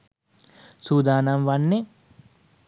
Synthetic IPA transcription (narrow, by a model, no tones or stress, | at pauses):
suːd̪aːnamʋanːe